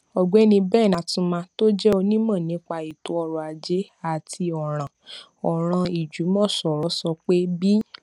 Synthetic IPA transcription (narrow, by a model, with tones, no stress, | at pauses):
ɔ˨ɡ͡bɛ˦nĩ˧bɛ˦˨nã˨tũ˧˦mã˧to˦d͡ʒɛ˦o˧nĩ˦mã˦˨nĩ˨˦k͡pa˧i˨tu˨˦ɔ˧ɾɔ˨a˨d͡ʒe˨˦ | a˨tʰi˧ɔ˨ɾ̃ã˨ | ɔ˨ɾ̃ã˧i˨d͡ʒu˨˦mɔ̃˦˨sɔ˨ɾɔ˨˦sɔ˧k͡pe˦bi˦